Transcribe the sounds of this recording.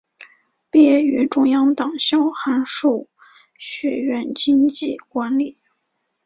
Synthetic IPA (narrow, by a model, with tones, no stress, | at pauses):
pjɛ˧˥y˧˥ʈ͡ʂʊ˥ŋjɑ˥ŋt̪ɑ˨˩ŋɕjɑ˥ʊxa˧˥nʂo˥˩ʊ | ɕɥɛ˧˩ɥɛ˥˩nt͡ɕi˥ŋt͡ɕi˥˩kwa˧˥nli˨˩˦